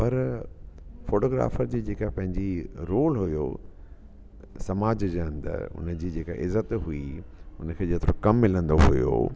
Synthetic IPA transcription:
pɐɾ | foːʈoːɡɾa̰ːfəɾd͡ʑiːd͡ʑeːkaɦpɐ̃ɦɪ̃ɲd͡ʑiɾoːlɦʊjo̰ | sɐmaːd͡ʑd͡ʑeə̃nd̪ə̰ɾʊ̰nə̆d͡ʑiːd͡ʑeːkaʔɪzət̪ɦuiʊnə̆kʰeːd͡ʑeːt̪ɪɾõ̰kɐmːɪlə̃nd̪oɦṵjo̰ː

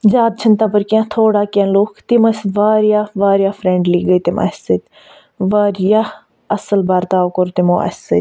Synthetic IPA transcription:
d͡ʒaːd̪̚t͡ʃʰənt̪aːpəɾkjãːt̪ʰoːɽaːkənloːkʰt̪ɪməsʋaːɾjaːʋaːɾjaːpʰɾɛ̃ːɳɖliːɡəiːt̪ɪmʔɐ̰sət̪ | ʋaːɾjaː | ɐsəlbaːɾt̪aːokoɾt̪ɪmõ̰ːʔɐ̰sə

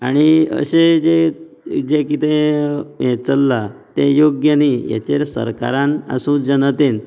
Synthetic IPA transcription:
aɽ̃iə̰ɕed͡ʑe | d͡ʑekit̪e | et͡səlːat̪ejoɡjanija̰t͡ɕeɾsə̰ɾka̰ɾãnə̰sũːd͡ʑənət̪en

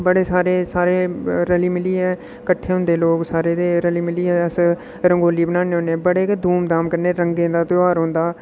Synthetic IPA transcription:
bəɽeːsaːɾeːsaːɾeːɾəliːmɪliːɦɛː | kəʈʰːeːɦʊ̃nd̪eːloːksaːɾeːt̪eːɾəliːmɪliːɦɛːəs | ɾəŋɡoːliːbənaːneɦõːnebəɽeːkd̪ʱuːmd̪aːmkəɾneːɾəŋɡẽːd̪aːt̪ʊaːɾɦõːnd̪aː

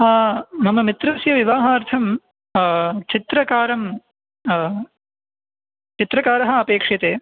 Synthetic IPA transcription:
mɐmɐmit̪ɾɐsjɐʋiʋaːɦaːɾt̪ʰɐm | t͡ʃit̪ɾɐkaːɾɐm | t͡ʃit̪ɾɐkaːɾɐɦɐ̆ɐpeːkʂjɐt̪eː

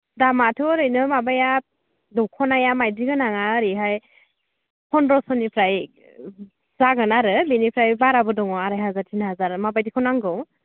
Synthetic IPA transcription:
damatʰɯɾɯjnɯmabaja | dɔwkʰɔnajamajdiɡɯnaŋaɾiɦaj | pʰɔnɾɔsɔnipʰɾaj | zaɡɯnaɾɯbinipʰɾajbaɾabɯdɔŋɔaɾajɦazaɾtʰinɦazaɾmabajdikʰɔnaŋɡɯw

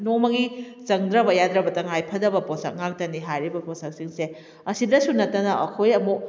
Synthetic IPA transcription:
nomɐɡi | t͡ʃɐŋdɾɐbɐjad̪ɾɐbɐtɐŋajpʰɐdɐbɐposɐ̰k̚ŋak̚dɐniɦajɾibɐposɐk̚siŋse | ɐsidɐsunɐtːɐnɐʔɐkʰojɐmu

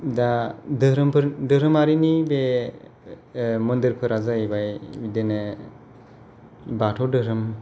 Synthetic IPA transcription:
dadɯɾɯmpʰɯɾdɯɾɯmaɾinibe | mɯndiɾpʰɯɾazabajbidenɯ | batʰɔdɯɾɯm

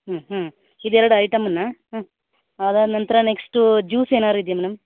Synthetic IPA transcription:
ɦɐɦɐ | id̪ɛɾɐɽuɐjʈɐmːɐnːɐ | aːd̪aːd̪nɐnt̪ɐɾɐneksʈud͡ʒuːseːnaːɾuid̪jɐmɛnɐm

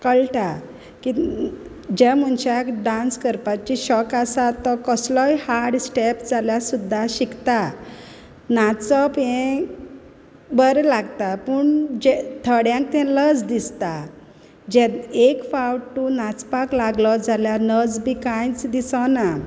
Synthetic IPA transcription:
kəɭʈa | ki | d͡ʑɛm̤uɳɕakɖãnskəɾpat͡ɕiɕɔkasat̪ːɔkəslɔjhaɾɽsʈepd͡zaljasud̪ʱːaɕikt̪a | nat͡sɔpɛ̃ | bəɾlaɡt̪apəɳd͡ʑɛt̪ʰəɽjãk̚t̪ɛ̃ləd͡zd̪ist̪a | d͡ʑɛekfawʈʈːunat͡spaklaɡlɔd͡zaljanəd͡zbikãjt͡sd̪isana

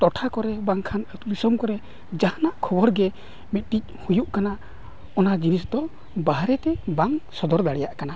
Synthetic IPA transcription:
t̪ɔʈʰakɔɾɛbaŋkʰanət̪uɾisɔmkɔɾɛ | d͡ʒahanaʔkʰɔbɔɾɡɛ | mit̪̚ˀt̪ic̚ˀhujuʔkana | ɔnad͡ʒinisd̪ɔ | baɦɾɛt̪ɛbaŋsɔd̪ɔɾd̪aɽɛjaʔkana

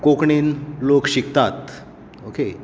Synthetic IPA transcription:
kokɳiːnlokɕikt̪at̪ | oke

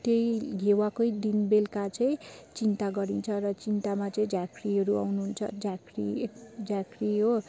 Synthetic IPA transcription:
t̪ejɡʱewakojd̪inbelkat͡sʌĩt͡sint̪aɡʌɾint͡sʰʌrʌt͡sint̪amat͡sʌĩd͡zakriɦʌɾua̰wnuɦunt͡sʰʌ̰d͡zakrḭed͡zakriɦo

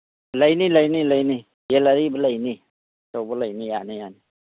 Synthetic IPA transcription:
ləjniləjniləjni | jelaɾibələjni | sɔwbələjnijanijani

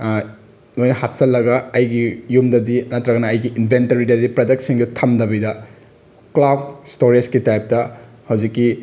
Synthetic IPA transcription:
nojnɐhat̚sɐlːɐɡɐɐjɡijumdɐdiɐnɐtɾɐɡɐnɐːjɡiʔinbʱentɐɾidɐdipɾɐdɐk̚tsiŋdɐtʰɐmdɐβidɐ | klabstoɾiskitajp̚tɐ | hɐwd͡ʒikːi

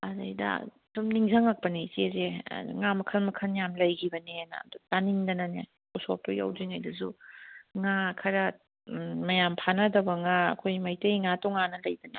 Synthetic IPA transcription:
ɐdɐjdɐ̰ | sumniŋzɐŋak̚pɐnisezḛŋamɐkʰɐlmɐkʰɐnjamlɐjɡʰibɐnina̰dtaniŋdɐnɐne | uso̰p̚toja̰wziŋajdɐsuŋakʰɐɾɐ | mɐjampʰanɐdɐbɐŋaɐ̰kʰojmɐjtɐŋatɔŋanɐlɐjdɐnɐ̰

